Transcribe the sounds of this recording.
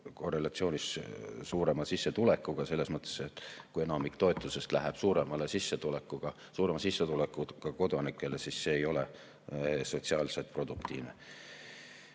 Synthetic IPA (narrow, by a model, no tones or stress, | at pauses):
ko̞re̞lɑt̪sio̞ːnʲissuːɾe̞mɑsisːet̪ule̞kˑːuɡ̥ɑse̞lːesmɤt̪ːˑe̥set̪ːkujenɑmikt̪o̞et̪ːˑuse̞st̪læɦeb̥suːɾemɑlesisːet̪ulekːuɡ̥ɑ | suːɾe̞mɑsisːet̪ulekːˑuɡ̥ɑko̞d̪̥ɑnikːˑe̞le̞sisːe̞ːjo̞le | so̞t̪siɑːlset̪̚ˑpro̞d̪̥ukt̪ḭːvnḛ